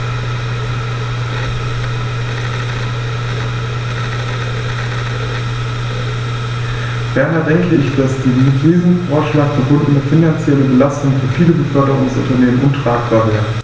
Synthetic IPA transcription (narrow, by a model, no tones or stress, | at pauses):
b̥ɛɐnadɛŋkəɪçd̥asd̥iːtʁ̥iːzn̩fɔɐʃlaːk̚b̥əbʊndn̩ːəfinant͡sjɛləbəlastʊŋfyːɐfiːləbəfœɐɾəʁʊŋdsʔʊntɐneːmənʊntʁ̥aːkfœɐbəɡɐ